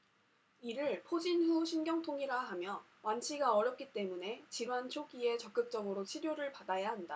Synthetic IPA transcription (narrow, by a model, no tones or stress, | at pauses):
iɾɯɭpʰod͡ʑinɸuɕʰinɡjʌŋtʰoŋiɾaɦamjʌ | want͡ɕʰiɡaʌɾjʌp̚k͈it͈e̞mune̞t͡ɕiɾwant͡ɕʰoɡie̞t͡ɕʌk͈̚ɯk̚t͡ɕ͈ʌɡɯɾot͡ɕʰiɾjoɾɯɭpadajaɦanda